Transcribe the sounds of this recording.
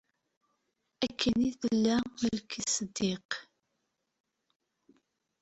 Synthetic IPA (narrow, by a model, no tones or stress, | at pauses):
ækʰːəniθəlːæəlkəsəd̪ːeq